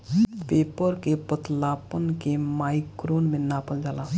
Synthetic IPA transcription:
peːpəɾkepət̪laːpənkemaːjkɾonmẽnaːpəld͡ʒaːlaː

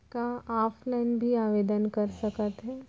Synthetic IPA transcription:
kaaːfʰlaɪnbʱiaːʋeːd̪ənkəɾsɐkət̪ɦɛː

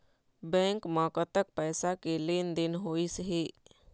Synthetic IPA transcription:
bɛ̃ːŋkmãːkət̪ək̚pɛːsakeleːnd̪ɪnɦoːisɦeː

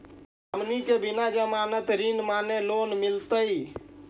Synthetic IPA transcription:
əmnikebinad͡ʒəmanət̪ɾinmanelonmilt̪əi

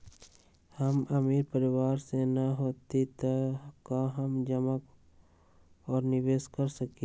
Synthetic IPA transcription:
həmɐmiːɾpəɾɪwaːɾsenɐɦoːt̪it̪əkaɦəmd͡ʒəmək | ɔːɾnɪʋeːskəɾsəke

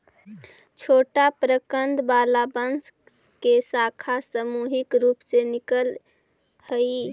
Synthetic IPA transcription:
t͡ʃʰoʈapɾəkənd̪balabəns | kesakʰasəmuɦikɾupsenikəl | həi

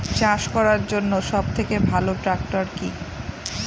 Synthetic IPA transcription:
t͡ɕaʃkɔɾaɾd͡ʑonːoʃɔb̚t̪ʰekebʱaloʈɾak̚ʈoɾki

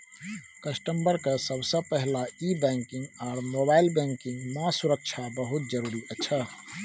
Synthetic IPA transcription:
kəsʈəmbəɾkesəbsə̃pɛɦlaibɛ̃ŋkɪ̃ŋɡɔːɾmobaɪlbɛ̃ŋkɪ̃ŋɡmãsuɾək̚t͡ʃʰabəɦut̪̚d͡ʒəɾuːɾiʔət͡ʃʰə

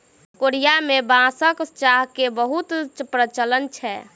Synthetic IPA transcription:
koɾijamebãsəkt͡ʃaɦkebəɦut̪t͡ʃpɾət͡ʃələnt͡ʃʰɛ

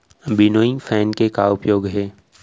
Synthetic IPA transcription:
bɪnoːɪ̃ŋɡfʰɛːnkekaʊpjoːɡɦɛː

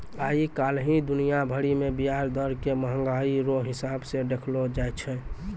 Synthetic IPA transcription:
aikalɦĩd̪unijabʱəɽimebiɦaɾd̪əɾkeməɦə̃ŋɡaiɾoɦɪsabseɖekʰlod͡ʒajtt͡ʃʰɛ

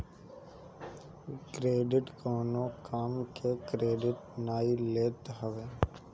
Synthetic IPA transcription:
kɾeːɖɪʈkɔːnõkaːmkekɾeːɖɪʈnaːileːt̪ɦəʋeː

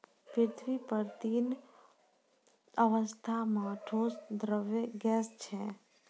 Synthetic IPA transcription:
pɪɾt̪ʰʋipəɾt̪iːn | əʋəst̪ʰamãʈʰoːsd̪ɾəʋeɡɛːst͡ʃʰɛ

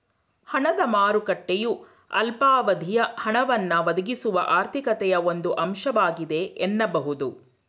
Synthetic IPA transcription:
hɐɳɐd̪ɐmaːɾukɐʈːeju | ɐ̰lpaːʋɐd̪ʱijɐhɐɳɐʋɐnːɐʋɐd̪ɐɡisuʋɐ̰ʔaːɾt̪ʰikɐt̪ɛjɐo̞nd̪uʔɐmʃɐʋaːɡid̪e̞ːnːɐbɐɦud̪u

